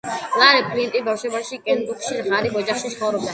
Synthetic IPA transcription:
laɾɛpʰʼlint̪ʼibafʃɛbaʃikʼɛnb̪ukʰʃiʁaɾiχɔd͡ʒaχʃisχɔvɾɔbd̪a

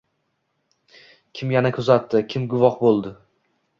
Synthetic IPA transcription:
kʲʰɪmjanakʰʊzat̪ːɪkʲʰɪmɡʊvɒqbolˠd̪ɪ

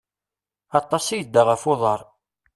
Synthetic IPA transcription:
ɑt̪ˤːɑsijəd̪ːaʁəfoðˤəɾˤ

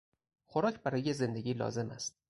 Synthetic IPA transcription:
xoɾɒːcʰbæɾɒːjeze̞nd̪eɡʲiːlɒ̰ːze̞mæst̪̚

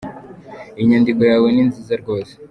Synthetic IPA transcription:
iɲandiɡujaweninzizaɾɡo̞ːse̥

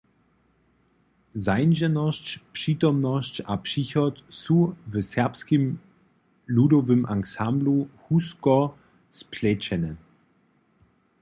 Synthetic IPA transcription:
zaɪnʒɛnɔscpʂiːtɔmnɔscapʂiçɔtsuvəsɛɐpskim | ludɔvəmʔaŋksambluhuskɔ | spʰlɛt͡ʃɛnɛ

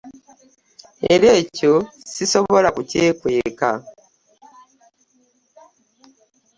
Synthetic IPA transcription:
e̞ɾeːco̞siso̞βo̞lakuceːkwe̞ːka̰

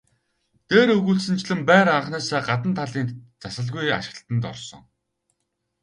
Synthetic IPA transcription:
t̪eːɾɵɣuːɮsɘ̆nt͡ɕɮɘ̆mpæːɾaɴχnæːsæːɢat̪ə̆nt̪ʰaɮiːnt̪t͡sasə̆ɮɣuja̰ʃɪ̆ɬt̪ə̆nt̪ɔ̰rsɞ̰̆ŋ

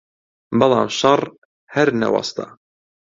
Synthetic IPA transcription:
bɑlˠɑ̰ːmʃɑrˤ | hæɾnɐ̰wɑ̰st̪ʰa̰

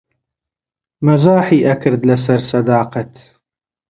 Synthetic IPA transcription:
mɐzaːħiːʔɐkɨɾd̪lɐsɐɾsɐd̪aːqɐt̪

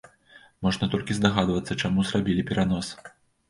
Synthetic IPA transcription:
mɔʐnɐt̪ɔlʲkʲizd̪aɣad̪vɐt̪sːɐt͡ʂamuzrabʲilʲipʲɛɾanɔs

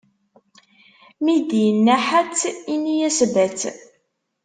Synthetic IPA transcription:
mid̪ijənːæħat͡sːinijæsvæt͡s

